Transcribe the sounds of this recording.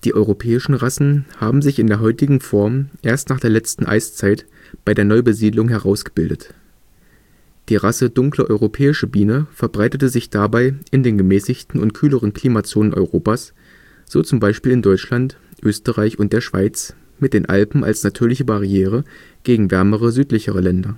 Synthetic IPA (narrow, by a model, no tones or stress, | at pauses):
d̥iːʔɔʏʁopʰɛːɪʃn̩ʁasn̩haːbm̩zɪçɪndeːɐɦɔʏtɪɡŋ̩fɔɐmʔeːɐstnaːχd̥eːɐlɛt͡stn̩ʔa̰ɪst͡saɪt | b̥aɪdeːɐnɔʏbəziːdlʊŋɦɛʁaʊsɡ̥əb̥ɪldət | d̥iːʁasədʊŋkləʔɔʏʁopʰɛːɪʃəbiːnəfɛɐbʁaɪtətəzɪçd̥abaɪɪndeːnɡəmɛːsɪçtn̩ʊ̰ntkʰyːləʁ̞ənkʰl̥iːmat͡soːnənʔɔ̰ʏʁoːpaːs | z̥oːt͡sʊmbaɪʃpiːlɪndɔʏt͡ʃlant | ʔøːstəʁaɪçʊnt̚d̥eːɐʃv̥a̰ɪt͡s | mɪt̚d̥eːnʔa̰lpm̩ʔa̰lsnatʰyːɐlɪçəbaʁiɛːʁ̞ə | ɡ̥eːɡŋ̩vɛɐməʁəzyːtlɪçəʁ̞əlɛndɐ